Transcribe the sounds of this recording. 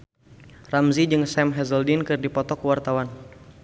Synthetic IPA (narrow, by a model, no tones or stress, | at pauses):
ramzid͡ʒɨŋsɛmɦɛzəldinkɨrdipɔt̪ɔkəwart̪awan